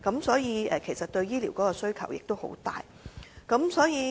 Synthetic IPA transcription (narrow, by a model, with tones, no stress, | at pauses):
kɐ˨˥msɔː˨˥jiː˨˧ɛ˨kʰe˨˩jsɐ˨t̚t̪ɵ˧ɥjiː˥liː˨˩wkɔː˨˥kɔː˧sɵ˥ɥkʰɐ˨˩wjɪ˨k̚t̪o˥who̰˨˥wt̪a̰ː˨j | kɐ˨˥msɔː˨˥jiː˨˧